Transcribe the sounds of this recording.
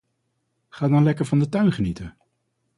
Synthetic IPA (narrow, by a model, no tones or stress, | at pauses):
χaːdɑnlɛkəɹvɑndətœɥnχənitə